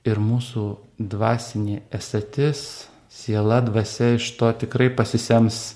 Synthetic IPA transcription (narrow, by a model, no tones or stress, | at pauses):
ɪɾmuːsuːd̪ʋɑːsʲɪnʲeːɛsɐt̪ʲɪs | sʲeɛlˠɐd̪ʋɐsʲɛɪʃt̪oːt̪ʲɪkɾɐɪpɐsʲɪsʲɛms